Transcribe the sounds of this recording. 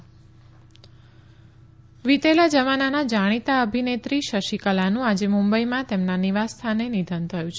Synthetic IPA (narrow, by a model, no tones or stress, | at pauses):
ʋit̪elad͡ʒəʋananad͡ʒaɽ̃it̪aəbʱinet̪ɾiʃəʃikəlanũad͡ʒemũmbəimãt̪emnaniʋast̪ʰanenid̪ʱənt̪ʰəjũt͡ʃʰ